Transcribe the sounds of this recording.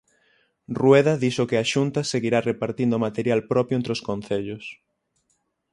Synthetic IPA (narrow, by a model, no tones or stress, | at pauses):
rweðɐðisokeaʃunt̪ɐseɣiɾarepaɾt̪ind̪ʊomat̪eɾjalpɾɔpjoent̪ɾoskon̟θeʎʊs